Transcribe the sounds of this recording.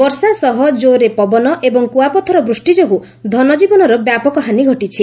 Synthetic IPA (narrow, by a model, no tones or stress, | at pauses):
bɔɾsasɔɦɔd͡ʒoɾepɔbɔnɔʔebɔŋkuapɔt̪ʰɔɾɔbɾusʈid͡ʒoɦu | d̪ʱɔnɔd͡ʒibɔnɔɾɔbjapɔkɔɦaniɡʱɔʈit͡ʃʰi